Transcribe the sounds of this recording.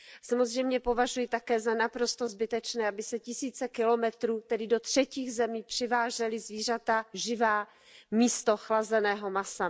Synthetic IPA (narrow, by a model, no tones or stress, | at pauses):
samozr̝ɛjmɲɛpo̞vaʒujɪt̪akɛːzanapɾo̞st̪o̞zbɪt̪ɛt͡ʃnɛːʔabɪsɛcɪsiːt͡sɛkɪlo̞mɛt̪ɾuːt̪ɛdɪdo̞t̪r̝̥ɛciːɣzɛmiːpr̝̥ɪvaːʒɛlɪzviːr̝at̪aʒɪvaː | miːst̪o̞xlazɛnɛːɦo̞masa